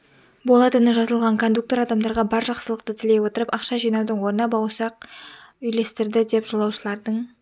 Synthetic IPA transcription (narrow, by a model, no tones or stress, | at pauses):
bolˠɑt̪enəʒɑzəlˠʁɑŋkʰo̞nd̪uk̚t̪o̞ɾɑd̪ɑmd̪ɑɾʁɑbɑɾʒɑqsəlˠəq̚t̪ət̪ʰɪlewo̞t̪əɾəpɑqʃɑʒijnɑwd̪əɴwo̞ɾənɑbɑwsɑq̚ | ʏjle̞st̪ɪɾd̪ɪd̪e̞pʒ̥o̞lˠɑwʃəlˠɑɾd̪əɴ